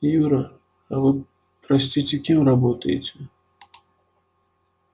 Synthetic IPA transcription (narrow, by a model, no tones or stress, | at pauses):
juɾɐ | ɐvɨ | pɾasʲt͡sʲit͡sʲɛkʲimrabɔt̪əjɪ̰t͡sʲɛ